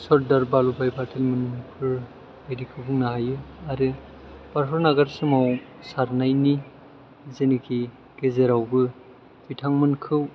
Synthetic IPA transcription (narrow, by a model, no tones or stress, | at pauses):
sɔɾ̚daɾbalubajbatʰelmɯnmɯpʰɯɾ | bajdikʰɯwbɯŋnaɦajɯaɾɯ | paɾpʰɯɾnaɡaɾsɯmaw | saɾnajni | zenikʰi | ɡ̥ezeɾawbɯ | bitʰaŋmɯnkʰɯw